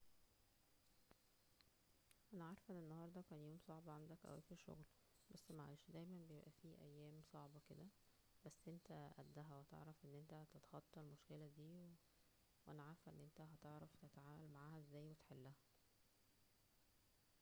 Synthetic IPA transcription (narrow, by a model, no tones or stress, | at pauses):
ʔænæʕaɾˤfʔenːenːɑhɑːɾˤd̪ˤɑkæːnjoːmsˤɑʕbɑʕand̪ækʔæ̰wʔeːfiʃːo̰ɣl | bæsːmæʕa̰jeʃd̪æjmænbejebʔæfiːʔæjːæːmsˤɑʕbɑked̪æ | bæsːʔent̪æʔæd̪ːæɦæwet̪ḛʕɾˤɑfʔenːʔent̪æt̪et̪ɑ̥xɑt̪ˤːɑlmoʃkelæd̪iːw | wʔænæʕaɾˤfʔenːʔent̪æɦɑt̪eʕɾɑft̪et̪aʕaːwælmaʕaːhæʔezːæːjwet̪eħelːæhæ